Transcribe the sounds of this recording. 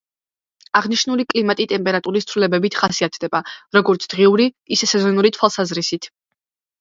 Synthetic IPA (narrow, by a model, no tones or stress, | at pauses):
aʁniʃnulikʼlimat̪ʼit̪ʼɛmpʼɛɾat̪ʼuɾist̪sʰvlilɛbɛbit̪ʰχasiat̪ʰd̪ɛbaɾɔɡɔɾt̪sʰd̪̥ʁiuɾiisɛsɛzɔnuɾit̪ʰwalˠsazɾisit̪ʰ